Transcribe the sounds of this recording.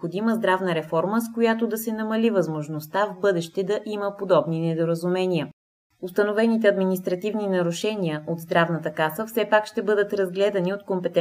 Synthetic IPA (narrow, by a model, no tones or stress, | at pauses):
xod̪iməzd̪ɾavnəɾɛfɔɾməskojat̪od̪ɐsɛnɐmɐlivɐzmoʒnost̪avbɤd̪ɛʃt̪ɛd̪ɐʔiməpod̪ɔbninɛd̪oɾəzʊmɛnʲiə | ʊst̪ɐnovɛnit̪̬ɛɐd̪minist̪ɾɐt̪ivninɐɾʊʃɛniəʔod̪zd̪ɾavnət̪əkasəfsɛpakʃt̪ɛbɤd̪ət̪ɾɐzɡlɛd̪ɐniot̪kompɛt̪ɛ